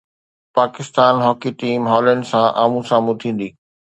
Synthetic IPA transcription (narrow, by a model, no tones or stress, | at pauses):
paːkɪst̪aːnɦɔːkiʈiːmɦɔːlə̃ɳɖsãʔa̰ːmũsãːmut̪ʰĩːn̆d̪iː